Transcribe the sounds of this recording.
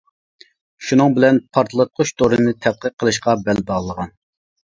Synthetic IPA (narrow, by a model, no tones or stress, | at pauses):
ʃunɨŋbɪlɛnpʰɑɾt̪ʰlˠɨt̪̚qʰʊʃt̪ʰoɾɨnɨt̪ʰɛt̪̚qəqʰːəlˠɨʃqɑbɛlbɑʁlˠəʁɑn